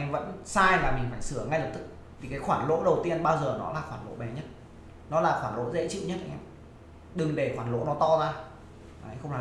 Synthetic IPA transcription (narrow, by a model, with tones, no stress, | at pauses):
ŋvə̰˧˥nsaː˧jvaː˨˩mï˨˩ŋ̟faː˧˩jsɨ˧˩əŋa˧jlə˨˩p̚t̪ɨ˦˥k̚ | t̪ʰi˨˩kaː˨˦jxwaː˧˩nlo̰˧˥ɗə˨˩wt̪i˧ənɓaː˧wzəː˨˩nɔ̰˨˦laː˨˩xwaː˧˩nlo̰˧˥ɓɛ˨˩ɲə˦˥t̚ | nɔ˨˦laː˨˩xwaː˧˩nlo̰˧˥zḛ˧˥t͡ɕḭ˧˨wɲə˦˥t̚ʔa˧ŋʔɛ˧m | ɗɨ˨˩ŋɗe˧˩xwaː˧˩nlo̰˧˥nɔ˨˦t̪ɔ˧zaː˧ | aː˨˧˦jxə˧wŋ͡maː˨